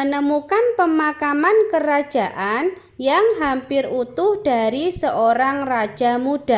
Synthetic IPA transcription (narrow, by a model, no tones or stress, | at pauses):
ənəmukanpəmakamankəɾad̥ʒ̥aʔan | jaŋɦampɪrut̪ʊhd̥aɾisəʔoɾaŋrḁʒ̥amud̥a